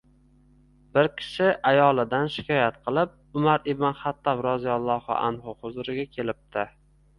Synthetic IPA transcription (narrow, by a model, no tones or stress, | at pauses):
b̥ɪɾkʲʰɪ̥ʃɪʔajɒlˠɪd̪anʃɪ̥kʲʰɒjat̪qʰɨlˠɪp̚ | ʊmaɾɪbnɪnχat̪ːɒbɾɒzijɒlˠːɒhʊ̰ʔa̰nhʊhʊzʊɾɪɡʲakʲʰe̞lɪp̚t̪ʰɪ